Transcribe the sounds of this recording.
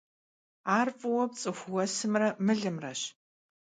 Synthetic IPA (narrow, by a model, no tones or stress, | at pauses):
aːrfʼɨwɔp̚t͡sʼɨxʷwɐsɨmrɐmɨɮɨmrɐɕ